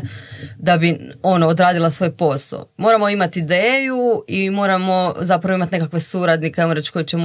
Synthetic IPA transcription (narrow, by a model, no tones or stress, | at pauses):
d̪abio̞noːd̪ɾaːd̪ilˠasʋo̞jpo̞so̰mo̞ːɾamo̞imat̪iid̪eːjuimo̞ːɾamo̞zapɾaʋoimat̪ne̞kakʋe̞suɾad̪nikeenɾet͡ʃko̞jet͡ɕem